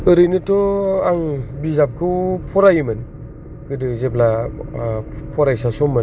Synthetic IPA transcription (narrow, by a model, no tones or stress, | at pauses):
ɯɾɯjnɯtɔaŋbizap̚kʰɯwpʰɔɾajmɯn | ɡ̥ɯdɯzebla | pʰɔɾajsasɔmːɯn